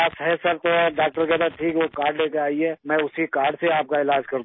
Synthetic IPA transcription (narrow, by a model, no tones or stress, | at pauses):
aːsɦɛsɐɾt̪oɖaːk̚ʈəɾkeb̪əʈʰiːkʋokaːɾɖleːkeaːiɛmɛ̃ʊsikaːɾɖseaːp̚kaɪlaːd͡ʒkɐɾd̪